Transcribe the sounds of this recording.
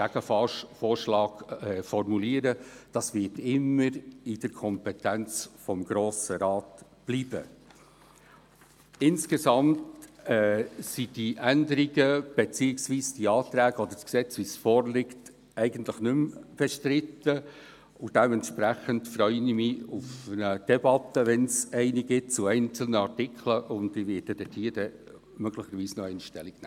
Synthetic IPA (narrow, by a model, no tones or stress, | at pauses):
æɡəffɔːɾʃlɑːɡ̥ɛfɔrmuliːəɾəd̥ɑsvɪtɪmːəɾɪd̥əɾkʰɔmpɛtænt͡sfɔmɡ̥ɾoːsəɾɑːt | b̥liːbə | ɪnskezɑmtɛsid̥iʔændəɾiɡəb̥et͡siːɪksʋiːsd̥iɑːt̪ɾæːɡɔd̪əɾsksɛt͡sʋisfɔːrlɪkt | ɛɪɡən̩tləχnʏmfɛʃtɾɪtə | ʊd̥ɛmɛntʃpɾæχəntfɾœʏnɪmɪufnəd̥ɛbɑt̪əʋɛnsɛɪniɡɪt̚t͡sʊɛɪnt͡sl̩ˠnəɑɾtɪkʰləʔʊnd̪iʋɪːɛd̥ɛt̪ʰiːəd̥ɛ | mœɡ̥lɪχəɾʋiːsnɔɛɪnʃtɛliɡnɛː